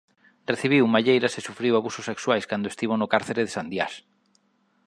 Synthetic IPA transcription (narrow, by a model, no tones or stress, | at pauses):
reθiβ̞iwumaʎejɾasesufɾiwaβusʊsːekswajskand̪oest̪iβonʊkaɾθeɾeðesand̪ja̰s